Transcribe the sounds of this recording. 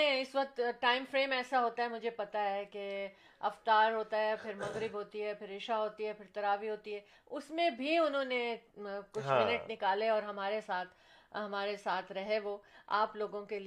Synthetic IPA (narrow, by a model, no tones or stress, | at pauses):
ẽɪsʋɐk̚t̪ʈaːɪmfɾeːmɛːsaɦoːt̪aɦɛmʊd͡ʒʱepɐt̪aɦɛke | ɐ̰ft̪aːɾɦoːt̪aɦɛpʰɪɾmɐ̃ɡɾɪbɦoːt̪iɦɛpʰɪɾɪʃaɦoːt̪iɦɛpʰɪɾt̪ɐɾaːʋiɦoːt̪iɦɛː | ʊsmẽbʱiʊnɦõnekʊt͡ʃʰmɪnəʈnɪkaːleɔːɾɦɐmaːɾesaːt̪ʰ | ɦɐmaːɾesaːt̪ʰɾɐɦeʋoa̰ːploːɡõkeli